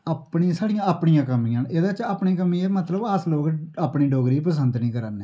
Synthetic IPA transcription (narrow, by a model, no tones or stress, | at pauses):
əpɳisaːɽijãəpɳĩjãːkəmĩːãːneːd̪ãːt͡ʃəːpɳiːkəmĩːemət̪ləbaːsloːɡəpɳiːɖoːɡɾiːpəs̬ənd̪nĩːkəɾaːnːeː